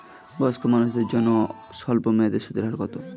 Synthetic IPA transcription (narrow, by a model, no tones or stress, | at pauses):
bɔskomanuʃd̪eɾd͡ʑɔnːo | ʃɔlpomed̪eʃut̪iɾɦaɾɡɔt̪o